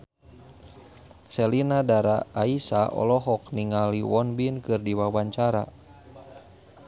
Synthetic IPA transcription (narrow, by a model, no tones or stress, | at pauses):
sɛlinadaɾaːisaʔɔ̰lɔɦɔk̚niŋaliwɔnbinkɨrdiwawaɲt͡ʃaɾa̰